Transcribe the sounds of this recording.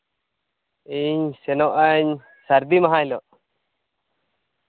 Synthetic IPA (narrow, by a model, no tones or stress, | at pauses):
iɲsɛnɔʔaɲ | saɾd̪imaɦãjlɔʔ